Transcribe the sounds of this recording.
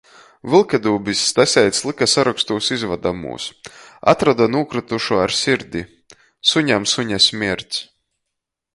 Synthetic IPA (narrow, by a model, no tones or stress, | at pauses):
vɨlˠkʲed̪uːbisʲːt̪asʲɛjt̪slˠikasaɾakst̪uːsizvad̪amṵːsa̰t̪ɾad̪anuɔkɾɨt̪uʃuaɾsʲiɾd̪ʲi | suɲamsuɲasʲmʲiɛɾt̪s